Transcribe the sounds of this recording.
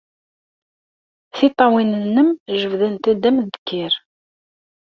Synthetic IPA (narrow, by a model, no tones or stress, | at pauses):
θit̪ˤːɑwinənːəmʒəvðænt̪æd̪æmd̪ə̥kːɪɾ